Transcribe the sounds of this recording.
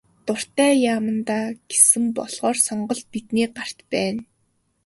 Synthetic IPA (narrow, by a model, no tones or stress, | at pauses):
t̪ʊr̥t̪æːjaːmə̆nt̪aːɡ̥e̥sɘ̆mpɔɮʁ̥ɔːrsɔɴɢɞ̆ɮ̚pit̪niːɢar̥t̪pæːn